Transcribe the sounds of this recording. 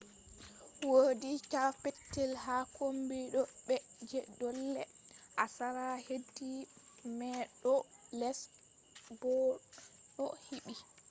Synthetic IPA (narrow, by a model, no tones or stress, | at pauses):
wodikafetːɛlhakʰombiɗɔɓɛd͡ʒɛdɔlːɛ̰ʔasaɾahedːimɛɗɔlɛs | bɔ | ɗɔhiɓi